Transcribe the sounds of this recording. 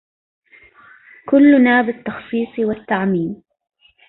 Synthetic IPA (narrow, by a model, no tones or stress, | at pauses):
kʊlːʊnaːbɪt̪ːɑxsˤiːsˤwat̪ːaʕmiːn